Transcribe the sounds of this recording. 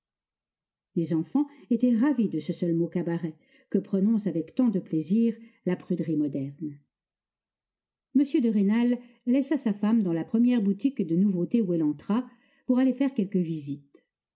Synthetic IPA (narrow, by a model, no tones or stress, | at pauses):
lezɑ̃fɑ̃et̪ɛʁavid̪əsəsœlmokabaʁɛ | kəpχɔnɔ̃savɛkt̪ɑ̃d̪əpleziːʁlapχyd̪ʁimɔd̪ɛʁn | məsjød̪əʁenalː | ɛsasafamd̪ɑ̃lapχəmjɛʁbut̪ikd̪ənuvot̪euɛlɑ̃t̪χa | puʁalefɛʁkʲɛlkəvizit̪